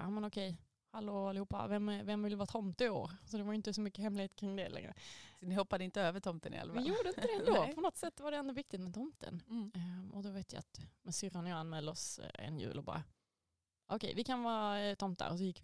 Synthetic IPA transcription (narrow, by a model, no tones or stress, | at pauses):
ʔamɛnɔkʰɛj | haloalːɪhuːpːa̰vɛmvɛmːvɪlːəvɑːt̪ʰɔmt̪ɪo̰ːɾsɔd̪ɛvaɾjʏɪnt̪əsɔmʏkːəɦɛmlɪɡheːt̪kʰɾɪŋːd̪ɛ̰lɛ̰ŋːɾə̰ɾsɔnɪhɔpːad̪əɪnt̪əøːvəʈʰɔmt̪ənɪ̰ɛ̰lɪjuːɖəɪnt̪əd̪ɛnd̪oːpʰɔnɔt̪ːsɛt̪ːvaɖɛɛnd̪ʊvɪk̚t̪ɪt̪mɛt̪ʰɔmt̪ʰə̰n | ɔd̪ɔveːt̪ja̰at̪mɛsʏɾanjanːmɛːlːəɾɔsɛ̰nːjʉ̟̰ːlɔbɑ̰ːɾa | ʔɔkʰɛjvɪkʰanvɑːt̪ʰɔmt̪ːa̰ɾɔs̬ɔjɪkːɪ